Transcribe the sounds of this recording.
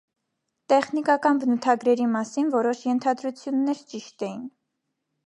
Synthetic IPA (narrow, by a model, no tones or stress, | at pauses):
t̪ɛχnikɑkɑnbənut̪ʰɑɡɾɛɾimɑsinvɔɾɔʃjɛnt̪ʰɑd̪ɾut͡sʰjunːɛɾt͡ʃiʃt̪ɛjin